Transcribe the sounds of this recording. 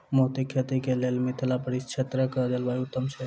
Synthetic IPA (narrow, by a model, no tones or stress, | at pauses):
moɦt̪ikʰet̪ikelelmit̪ʰlapəɽist͡ʃʰet̪ɾəkəd̪elbajut̪ːəmse